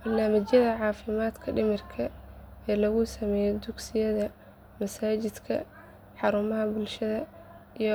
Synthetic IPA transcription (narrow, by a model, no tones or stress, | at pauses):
b̥ɐrnaːmɪt͡ʃjɐðɐʕɑːfɪmaːd̪kʰɐɖɪmɪrkʰɐɛːlɐɣʊsɐmɛːjɛd̪ʊɡsɪjɐðɐ | mɐsaːt͡ʃɪd̪kʰɐ̰ | ħɑɾʊmɐɦɐbʊlʃɐðɐij